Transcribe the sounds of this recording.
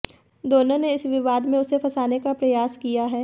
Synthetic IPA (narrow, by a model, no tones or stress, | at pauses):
d̪oːnõneɪsʋɪʋaːd̪mẽʊsefʰɐsaːnekapɾɐjaːskijaɦɛː